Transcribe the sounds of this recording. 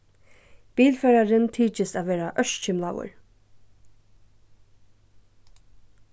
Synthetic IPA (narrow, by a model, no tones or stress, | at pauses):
b̥iːlfɛːɾaɾɪnt̪ʰiːt͡ʃəsaːʋeːɾaʔœʃt͡ʃɪmla̰wə̰ɹ